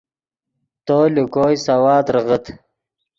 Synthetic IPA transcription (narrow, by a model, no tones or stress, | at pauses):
t̪oːlukoːjsɐwaːd̪ɾəʁət̪